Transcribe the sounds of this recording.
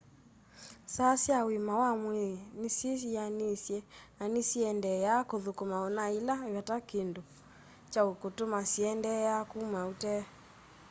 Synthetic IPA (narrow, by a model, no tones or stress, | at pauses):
sasiawimawamwenisisijanisjɛnanisiɛndɛjakoðukumaɔnailajatakindu | t͡ʃaukotomasiɛndɛjakumautɛ